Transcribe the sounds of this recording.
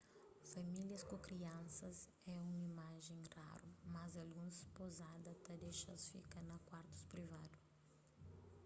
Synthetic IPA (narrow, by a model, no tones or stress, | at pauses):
fɐmiljɐskʊ̃kɾiɐ̃nsɐz | ɛũimaʒẽj̃ra̰ɾʊmɐzɐlɡũspozad̪ɐt̪ɐd̪eʃɐsfḭkɐnɐkwaɾt̪ʊ̥spɾivad̪ʊ